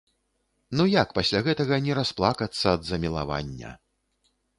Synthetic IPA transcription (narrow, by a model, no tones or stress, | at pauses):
nujakpasʲlʲaɣɛt̪ɐɣɐnʲɛɾasplˠakɐt̪sːɐːd̪zɐmʲilˠa̰va̰nʲːɐ̰